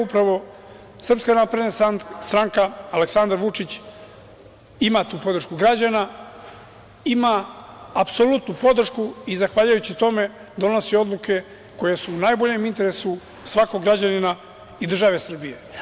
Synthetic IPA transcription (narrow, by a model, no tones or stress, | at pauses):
upɾaʋo̞ | sr̩pskanapɾed̪nast̪ɾaŋkaːle̞ksand̪aɾʋut͡ʂit͡ɕ | imat̪uːpo̞d̪ɾ̩ʃkuɡɾad͡ʑana | imaː | pso̞lut̪nupo̞d̪r̩ʃkuizaxʋaːʎujut͡ɕit̪o̞me̞ | d̪o̞no̞sio̞d̪lˠuke̞ | ko̞jesuːnajbo̞ʎe̞mint̪e̞ɾe̞su | sʋako̞ɡɾad͡ʑanina | id̪r̩ʒaʋe̞sr̩bije̞